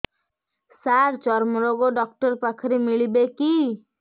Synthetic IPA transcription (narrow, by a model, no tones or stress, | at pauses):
saɾt͡ʃɔɾmɔɾɔɡoɖɔk̚ʈɔɾpakʰɾimiɭibeki